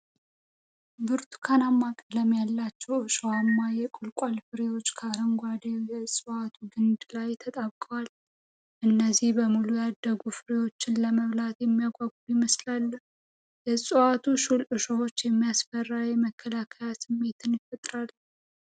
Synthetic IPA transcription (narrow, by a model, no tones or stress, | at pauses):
bɨɾt̪ʰu̥kʰanamːakʼələmjalːat͡ʃːɛwɨʃowamːajɛkʼʊlkʼalfɨɾewo̞t͡ʃːkʰaɾəŋɡʷad̪ejɛsʼɨat̪ʰuɡɨnd̪lajt̪ʰət̪ʼaβkʼəwal | ʔɨnːəzːihbəmulujad̪ːəɡufɨɾewo̞t͡ʃːɪnləməβlat̪jɛmːijaɡʷaɡ̚jɪməslalːəh | jɛsʼɨwat̪ʰuʃulʔɨʃowot͡ʃːjɛmːijasfərːajɛməkʰːəlakʰəjasɨmːe̞t̪ʰɨnjɪfət̪ʼɾal